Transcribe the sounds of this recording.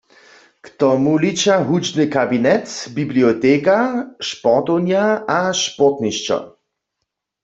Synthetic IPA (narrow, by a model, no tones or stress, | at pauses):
kt̪ɔmulit͡ʃaɦud͡ʒnɨkabinɛt̪bibliot̪ekaʃpɔʁt̪ownjaaʃpɔt̪niʃt͡ʃɔ̰